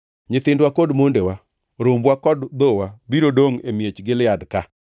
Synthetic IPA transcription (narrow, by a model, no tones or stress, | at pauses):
ɲɪt̪ɪndwakodmondewa | ɾombwakɔdd̪owabiɾodoŋemjet͡ʃɡɪlɪadka